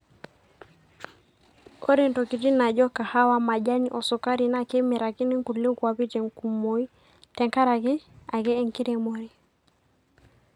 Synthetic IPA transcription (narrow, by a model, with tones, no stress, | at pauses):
o˦ɾe˨ntɔ˨ki˨ti˦na˨d͡ʒɔ˦ka˨ha˦wa˦ma˨d͡ʒa˦ɲʔɔ˨sɔ˨ka˦ɾi˨na˦ke˦mɛ˨ɾa˨ki˦ni˦ŋku˨li˦kwa˨pi˦tɛ˨ŋku˨mo˨˦i˦ | tɛ˨ŋka˦ɾa˨ki˦a˨kɛ˦ɛ˦˨ŋki˦ɾe˨mo˨ɾi˨